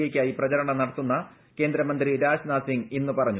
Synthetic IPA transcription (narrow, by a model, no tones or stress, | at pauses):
eːkʲːaːjiprɐt͡ɕɐɾɐɳɐmnɐɽɐt̪ːunːɐ | ke̞ːnd̪ɾɐmɐnd̪riɾaːɕnaːsiŋɡinːupɐrɐɲːu